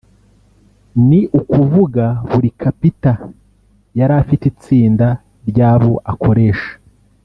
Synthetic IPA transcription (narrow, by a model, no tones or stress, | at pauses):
niʔukuvuɡaβuɾikʰapita | jaɾaːfitit͡siːnda | ɾɟaːβo̞ʔakʰo̞ɾe̞ːʃḁ